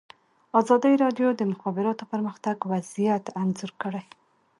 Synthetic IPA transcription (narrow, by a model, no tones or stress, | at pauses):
ɑzɑd̪əjɾɑɖjod̪əmʊxɑbɪɾɑt̪opəɾməxt̪aɡwazijat̪anzuɾkəɽaj